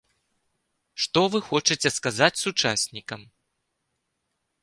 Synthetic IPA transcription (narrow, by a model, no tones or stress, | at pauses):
ʂt̪ɔvɨxɔt͡ʂɨt͡sʲɛskazat͡sʲsut͡ʂasʲnʲikɐm